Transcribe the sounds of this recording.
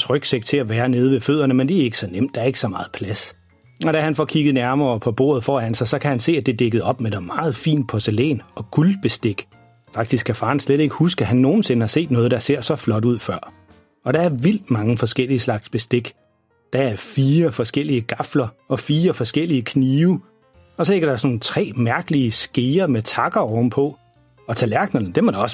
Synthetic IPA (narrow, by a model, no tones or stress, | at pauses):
sʁœɡ̥seɡ̥̚t͡sʰe̝æʋæːɐne̝ːð̞ˠʋeføð̰ˠɐnəmend̥e̝æɐe̝ɡ̥sɒ̽nem̰d̥ɑ̈æɐe̝ɡ̥əsɒ̽mɑ̈ːð̞̩ˠpʰlæs | ɒ̽ɾ̥æhænfɒ̰kʰiɡ̥ð̩ˠnæɐmɐːpʰɒ̽b̥o̝̰ɐð̩ˠfɒ̰ːhænsɑ̈ɪsɒ̽kʰæhænse̝̰ːæd̥e̝d̥eɡ̥ð̩ˠɒ̽b̥med̥emɑ̈ːð̞̩ˠfḭːnd̥̚pʰɒselḛːnɒ̽ɡ̥ulb̥e̝sd̥e̝ɡ̥ | fɑ̈ɡ̥̚d̥isɡ̥kʰːæfɑ̈ːnsleɾ̥e̝ɡ̥ə̥husɡ̥æɦænːo̝ːn̩se̝nəhɑ̈se̝̰ːd̥nɔ̽ːð̞̩ˠd̥ɑ̈se̝ɐ̰sɒ̽flɒ̽d̥uð̞̰ˠfɶɐ̰ | ɒ̽ɾ̥ɑ̈æɐʋil̰d̥mɑ̈ŋəfɒ̽sɡ̥el̰iəslɑ̈ɡ̥sb̥e̝sd̥e̝ɡ̥ | d̥ɑæɐfiːɐfɒ̽sɡ̥el̰iəɡ̥ɑ̈flɐɒ̽fiːɐfɒ̽sɡ̥el̰iəkʰniːʊ | ɒ̽sɒle̝ɡ̥ɐɾ̥ɑ̈snoːn̩t͡sʰʁɛ̰ːmæɐɡ̥əliəsɡ̥e̝ːɐmet͡sʰɑ̈ɡ̥ɐɒʊm̩pʰɒ̽ | ɒ̽t͡sʰælæɐɡ̥nɐnəd̥emɒɾ̥ɑɒ̽s